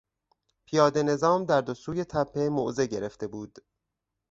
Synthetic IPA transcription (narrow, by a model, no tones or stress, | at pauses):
pʰijɒːd̪e̞ne̞zɒːmd̪æɾd̪osuːje̞t̪ʰæpʰːe̞moʔzeɟe̞ɾe̞ft̪e̞buːd̪̥